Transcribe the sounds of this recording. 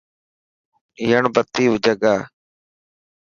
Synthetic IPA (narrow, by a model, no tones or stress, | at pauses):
ɪːəɳbət̪ːiːʋʊd͡ʒəɡaː